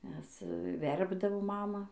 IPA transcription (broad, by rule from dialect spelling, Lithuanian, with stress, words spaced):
nʲɛs ˈʋʲɛrbdɐʋoː ˈmɑːmɐ